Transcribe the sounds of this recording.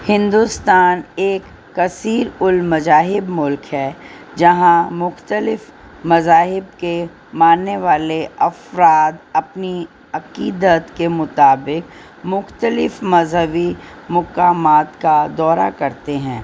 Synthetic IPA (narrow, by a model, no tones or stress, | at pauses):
hɪ̃nd̪ust̪aːneːkː | ɐsiːɾʊlmɐzaːɦɪbmʊlkɦɛd͡ʒɐɦãmʊxt̪əlɪf | mɐzaːɦɪbke | maːnːeʋaːleɐfɾaːd̪ɐpni | ɐqiːd̪ət̪kemʊt̪aːbɪk̚ | mʊxt̪əlɪfmɐzɦəʋimʊkaːmaːt̪kad̪ɔːɾa̰kɐɾt̪eɦɛ̃ː